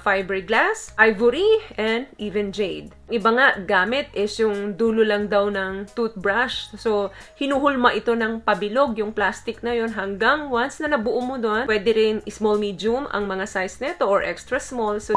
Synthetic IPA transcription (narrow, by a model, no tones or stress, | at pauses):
fajbɛɹiɡlasʔajvɐɾiʔɛnd̪̚ʔiːvɛnd͡ʒejd̪ | ŋʔɪbaŋaʔɡaːmɪt̪̚ʔɛsjʊŋd̪uːlʊlɐŋd̪awnɐŋt̪ut̪̚bɹaʃso̞ | hɪnuːɦʊlmɐʔɪt̪o̞nɐŋpɐbɪlo̞ɡ̚jʊŋplast̪ɪk̚nɐjo̞nɦɐŋɡaŋwansnɐnɐbʊʔomod̪onwɛːd̪ɛɾɪnʔɪsmolmid̪jʊmʔɐ̰ŋmɐŋasajsnɛt̪oʔoɹʔɛkst̪ɾɐsmolso